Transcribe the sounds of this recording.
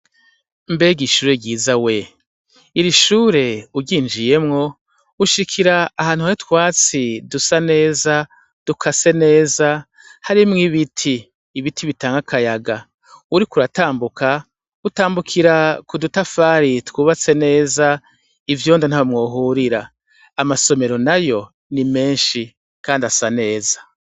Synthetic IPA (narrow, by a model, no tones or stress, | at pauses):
mbe̞ːɡiʃuːɾe̞ɟiːzawe̞ | iɾiʃuːɾe̞uɾɟiːnd͡ʒije̞mŋo̞ | uʃikʰiɾaːhaːn̥uhajitwaːt͡sidusane̞ːza | d̥ukʰasene̞ːza | haɾimŋiβitʰiː | βitʰiβitaːŋɡakʰajaɡa | uɾikuɾataːmbukʰa | utaːmbukʰiɾakudutafaːɾitwuːβat͡se̞ne̞ːza | ivjoːndon̥haβomŋoːɦuɾiɾaː | maso̞me̞ɾo̞najo̞ | nime̞ːnʃi | kaːndasane̞ːzḁ